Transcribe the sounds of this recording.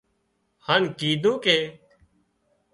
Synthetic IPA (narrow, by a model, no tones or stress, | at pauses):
hankiːd̪ʱũːkeː